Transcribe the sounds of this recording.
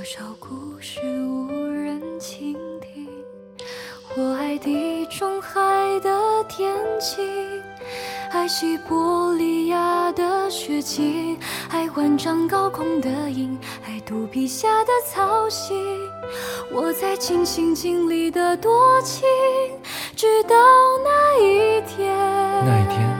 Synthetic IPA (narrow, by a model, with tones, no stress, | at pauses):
ʂɑ˨˧˩ʊkʰu˧ʂɻ̩˥˩wɔ˧˩ɻə˧˥nt͡ɕʰi˧˥ŋt̪ʰi˧˩ | xwɔ˧˩a˧˥ɪt̪i˧˩ʈ͡ʂʊ˥ŋxa˥˧ɪd̪ə˧t̪ʰjɛ˧˥nt͡ɕʰi˧˥ | xa˧˥ɪɕi˧kwɔ˧˥li˧ja˥˧d̪ə˧˩ɕɥɛ˧˥t͡ɕʰi˥xa˧˥ɪxwa˧˥nʈ͡ʂɑ˧ŋkɑ˥˧ʊkʰʊ˥ŋd̪ə˦i˧˥ŋ | xa˧˥ɪt̪u˧˥pi˧˩ɕja˥˧˩d̪ə˨t͡sʰɑ˧˥ʊɕi˧ | wɔ˨˩t͡sa˥˧ɪt͡ɕʰi˧˥ŋɕi˧˥ŋt͡ɕi˥ŋli˨˩d̪ə˧t̪wɔ˦˥t͡ɕʰi˥ | ʈ͡ʂɻ̩˥t̪ɑ˨˧ʊna˥˧i˧t̪ʰjɛ˥